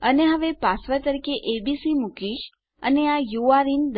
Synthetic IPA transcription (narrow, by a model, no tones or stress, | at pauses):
əneɦəʋepasʋat̪əɾikeʔebisimukiʃ | ə̰neajuaɾind̪